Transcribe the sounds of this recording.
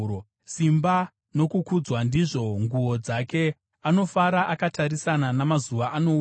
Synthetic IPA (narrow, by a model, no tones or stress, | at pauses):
simba | no̞kukud͡zwandiʐo̞ŋɡuwo̞d͡zake̞ | ano̞faɾaʔakataɾisananamazuʋaʔano̞